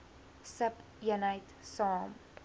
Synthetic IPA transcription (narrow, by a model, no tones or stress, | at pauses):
səp | ənɐjt | sɑːm